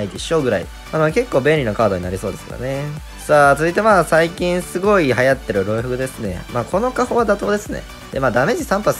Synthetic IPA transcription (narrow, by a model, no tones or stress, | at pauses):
id̪e̞ɕo̞ɡɯ̟ɾaḭ | anke̞kːoːbẽɾʲino̞kaːd̪o̞ɲinaɾiso̞ːd̪e̞sɨ̥ka̰ɾa̰ne | saːtt͡sɨzɨit̪̬e̞maːsaikʲĩɰ̃sɨɡo̞iɦajat̪ːe̞ɾɯ̟ɾo̞ɯ̟ɸɯ̟kɯ̟d̪e̞sɨne̞̰maːkʰo̞no̞kaho̞βad̪at̪o̞ːd̪e̞sɨne̞̰ | d̪̥e̞maːd̪ame̞ʑisãmpas